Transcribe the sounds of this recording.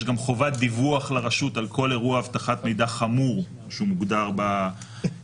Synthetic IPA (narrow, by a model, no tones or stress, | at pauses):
ʃɡamχo̞vat̚d̪ivuaχlaʁaʃutalkʰo̞leʁuaavt̪aχat̪me̞jd̪aχamuʁ | ʃeumuɡd̪aʁba